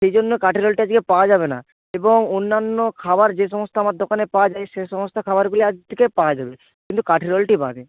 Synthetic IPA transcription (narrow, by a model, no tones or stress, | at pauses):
ʃejd͡ʑonːokaʈiɾolʈiad͡ʑkepawad͡ʑabena̰ | eboŋonːanːokʰabaɾd͡ʑeʃɔmost̪ʰaamaɾd̪ʱokanepawad͡ʑaeʃeʃɔmost̪ʰakʰabaɾɡuliad͡ʑt̪ʰikepaad͡ʑabe | kint̪ukaʈʰiɾolʈiba̰be